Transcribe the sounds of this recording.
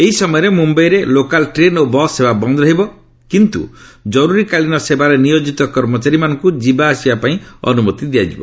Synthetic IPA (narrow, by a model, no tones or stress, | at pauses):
eɦisɔmɔjɔɾemumbɔjɾelokalʈɾenobɔsebabɔnd̪ɔɾɔɦibɔ | kint̪ṵd͡ʒɔɾuɾikaɭinɔsebaɾenijod͡ʒit̪ɔkɔɾmɔt͡ʃaɾimanɔŋkud͡ʒibaːsibapaĩɔ̰numɔt̪id̪iad͡ʒḭbɔ̰